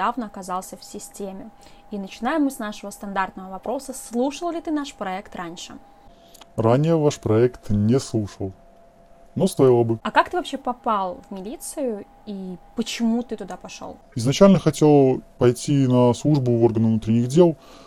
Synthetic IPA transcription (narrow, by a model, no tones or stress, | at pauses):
avnəɐkɐzalˠsʲəfsʲɪsʲtʲemʲɪinət͡ɕɪnajɪmːɨsnaʂəvəst̪ɐnd̪art̪nəvəvɐpɾo̞səslˠuʂəlˠlʲɪt̪ɨnaʂpɾɐɛkt̪rʔanʲʂɨ | ranʲɪjəvaʂpɾɐɛkt̪nʲɪslˠuʂəlˠ | nost̪ajɪlˠəbɨɐkakt̪ɨvɐpɕːepɐpalˠvmʲɪlʲit̪sɨjʊ | ipət͡ɕɪmut̪ɨt̪ʊd̪apɐʂo̰lˠɪznɐt͡ɕælʲnəxɐtʲe̞lˠəpɐjtʲinɐslˠuʐbʊvo̞rɡənəvnut̪ɾʲɪnʲɪɣdʲelˠ